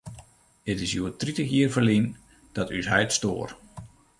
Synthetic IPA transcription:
ətɪsjuətritəxjiərfəlin | d̥ɔtʰysɦɛjtstoːr

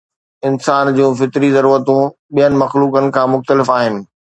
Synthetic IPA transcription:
ɪnsaːnd͡ʑũːfɪt̪ɾizɐɾuːɾət̪ũɓijənɪ̆mɐxluːkənɪ̆kʰãːmʊxt̪əlɪfaːɦɪnɪ̆

